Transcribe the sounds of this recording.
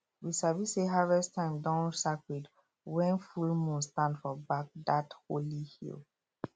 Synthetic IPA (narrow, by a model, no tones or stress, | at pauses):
wisaviseɦavɛstʰãɪ̃mdãʊ̃nsakwid | wɛ̃nfulmũnstãndfɔbak̚datholihḭl